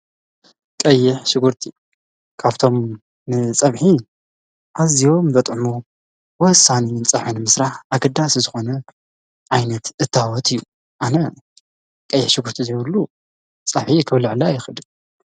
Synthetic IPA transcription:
kʼɐjːɪħʃɪɡuɾt̪ʰi | kʰaβt̪ʰo̞m | nɨt͡sʼɐβħi | ʔazijo̞mzɐt̪ʼʕmu | wɔhɨsːanint͡sʼɐʕħunɨmɨsɾaħʔaɡɐd̪ːaszɨxo̞nɐ | ʕajnɐt̪ɨt̪ʰːawɔt̪ʰʼɨjːu | ʔanɐ | kʼɐjːɪħʃɪɡuɾt̪ʰizjβɨlːu | t͡sʼɐβħikʰɨβlɨʕlajɪxɨd̪ɨn

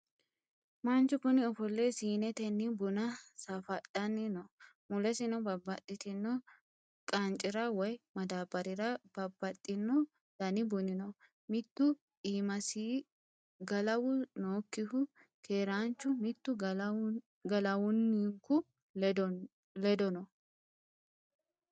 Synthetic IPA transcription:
mɐnt͡ʃːʊkʊnɪɔfɔlːesiːnɛt̪ɛnːɪbʊnɐsɐfɐtʼːɐnːɪnɔ | mʊlɛsɪnɔbɐbɐt̪ʼːɪt̪ɪnːɔ | kʼɐnt͡ʃʼɪɾɐwɔjmɐd̪aːbɐɾɪɾɐb̥ɐbːɐt̪ʼːɪnːɔ | d̪ɐnɪbʊnɪnɔ | mɪt̪ːʊ | iːmɐsiː | ɡɐlɐwʊnoːkːɪhʊ | kʰeːɾaːnt͡ʃːʊmɪt̪ːʊ | ɡɐlɐwʊnːiŋkʊ | d | lɛd̪ɔnɔ

